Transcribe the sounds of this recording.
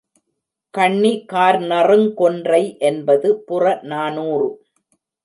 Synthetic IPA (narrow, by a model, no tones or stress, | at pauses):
kɐɳːikaːɾnɐrɯŋkɔndrɐɪʔɛnbɐðɯpʊrɐnaːnuːrɯ